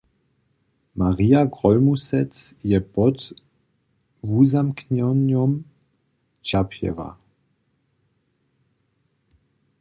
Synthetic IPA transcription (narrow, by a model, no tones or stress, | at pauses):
maʁiaɡʁɔlmusɛt͡sjɛpɔt | vuzamknɔnɔm | t͡ʃapʰjɛ̰va̰